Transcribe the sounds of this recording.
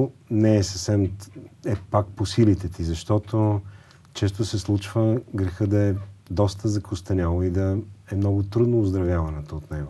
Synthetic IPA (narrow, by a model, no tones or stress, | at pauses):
nɛːsəfsɛmɛpak̚posilit̪ɛt̪izɐʃt̪ɔt̪o | t͡ʃɛs̬t̪osɛslˠut͡ʃvəɡɾɛxəd̪ɐɛd̪ɔst̪əzɐkʊst̪ɐnʲalˠoid̪ɐɛmnɔɡʊt̪ɾud̪noːzd̪ɾɐvʲjavɐnɛt̪oːt̪nɛɡo